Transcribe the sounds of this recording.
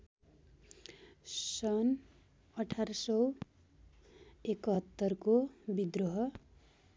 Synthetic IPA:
sʌn | ʌʈʰarʌsʌw | ekʌt̪ːʌrkobid̪roɦʌ

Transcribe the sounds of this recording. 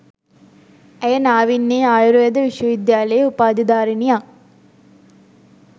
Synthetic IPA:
æjənaːʋinːeːaːjuɾujɐd̪əʋiʃʋəʋid̪jaːlejeupaːd̪id̪aːɾinijaŋ

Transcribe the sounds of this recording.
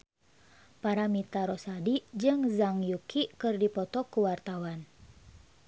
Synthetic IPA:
paɾamit̪aɾɔsadid͡ʒɨŋzaŋjukʰikɨrdipɔt̪ɔkuwart̪awan

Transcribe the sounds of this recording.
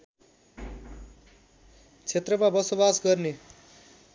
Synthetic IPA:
t͡sʰet̪rʌmabʌsobasɡʌrne

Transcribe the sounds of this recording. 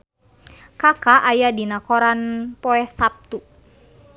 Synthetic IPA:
kakaʔajadinakɔɾanpɔɛsap̚t̪u

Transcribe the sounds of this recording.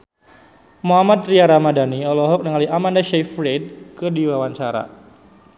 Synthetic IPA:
moɦamat̪̚riaɾamadaniɔlɔɦɔk̚nəŋaliamandaʃɛfɾɛd̚kədiwawaɲt͡ʃaɾa̰

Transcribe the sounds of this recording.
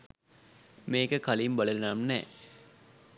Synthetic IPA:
meːkəkalimbɐlɐlnaːmnɛ̰ː

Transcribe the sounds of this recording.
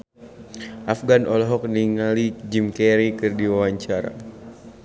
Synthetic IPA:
ʔafɡanʔɔlɔɦɔk̚niŋalid͡ʒimkɛɾikɨrdiwawaɲt͡ʃaɾa̰

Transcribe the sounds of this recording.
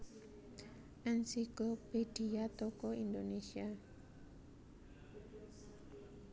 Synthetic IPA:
ʔɛnsikopediat̪okɔind̪onesia

